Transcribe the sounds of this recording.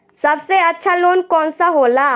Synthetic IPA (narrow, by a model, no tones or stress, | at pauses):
səbseətːʃʰalonkɔːnsaɦola